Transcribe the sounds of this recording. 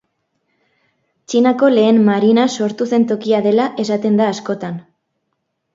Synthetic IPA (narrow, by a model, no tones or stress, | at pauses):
t͡ʃinako̞le̞ːmmaɾinaso̞ɾt̪use̞nt̪o̞kiaðe̞laʔe̞sat̪e̞nd̪aːsko̞t̪an